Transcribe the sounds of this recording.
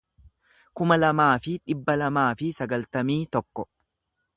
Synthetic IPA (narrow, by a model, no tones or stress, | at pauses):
kʊmɐlɐmaːfɪᶑɪbːɐlɐmaːfɪsɐɡɐlt̪ɐmiːt̪ɔkːɔ